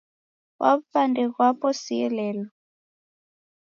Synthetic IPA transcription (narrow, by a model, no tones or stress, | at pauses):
wʔapandɛɣwapɔsiɛlɛːlɔ